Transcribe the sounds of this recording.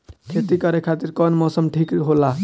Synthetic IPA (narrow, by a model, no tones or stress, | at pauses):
kʰet̪ikəɾekʰat̪iɾkɔnmɔsəmʈʰikɦola